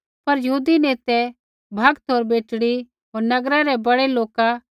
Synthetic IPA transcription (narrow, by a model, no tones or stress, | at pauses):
pɐɾjɐɦuːd̪ineːt̪ɛ | bʱɐɡt̪ʰoːɾbeːʈɽi | ɦoːɾnɐɡɾaɾɛbɐɽeloːka